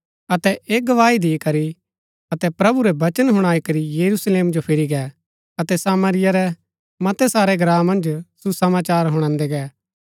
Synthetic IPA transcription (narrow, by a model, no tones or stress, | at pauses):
ɐt̪ɛeːɡɐʋaːid̪ɪkɐɾi | ɐt̪ɛpɾɐbuɾɛbɐt͡ʃənɦʊɽ̃aːikɐɾijɐɾusleːmd͡ʒopʰɪɾiɡɛː | ɐt̪ɛsaːməɾɪjaɾɛ | mɐt̪ɛsaːɾɛɡɾaːmɐ̃nd͡ʒsusɐmaːt͡ʃaːɾɦʊɽ̃ãːnd̪ɛɡɛː